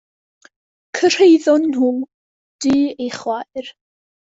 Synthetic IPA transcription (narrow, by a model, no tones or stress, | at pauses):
kʰər̥ejðɔnhum | d̥iːejχwajr